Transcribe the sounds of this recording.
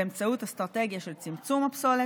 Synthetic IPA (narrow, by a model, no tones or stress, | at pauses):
emt͡saut̪hast̪ʁat̪eɡjaʃe̞lt͡simt͡sumhapsole